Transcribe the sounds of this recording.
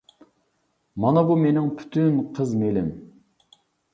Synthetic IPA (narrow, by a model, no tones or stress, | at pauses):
mɑnɑbumenɪŋpʰy̥t̪ʰynqʰəzmelɪm